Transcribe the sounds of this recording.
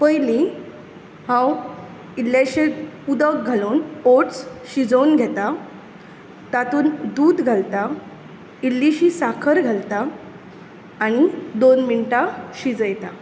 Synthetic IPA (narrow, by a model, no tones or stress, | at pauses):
pəjli | hãw | ilːaɕeud̪ək̚ɡʱaluːnoʈsɕid͡zəwnɡʱɛt̪a | t̪at̪uːnd̪uːd̪ɡʱalt̪a | ilːiɕiːsakʰəɾɡʱalt̪a | ɽ̃id̪onminʈaɕid͡zəjt̪a